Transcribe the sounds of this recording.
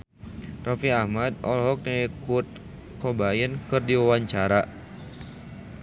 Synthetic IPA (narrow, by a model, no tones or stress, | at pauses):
rɔfiahmad̪̚ɔlɦɔk̚naikut̪̚ | kɔbajənkɨrdiwawaɲt͡ʃaɾa